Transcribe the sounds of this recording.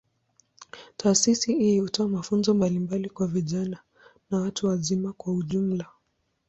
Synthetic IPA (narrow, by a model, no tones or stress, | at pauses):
tʰaːsisiihutɔamafunzɔmbalimbalikwaviʄana | nawatuwazimakwauʄum̩la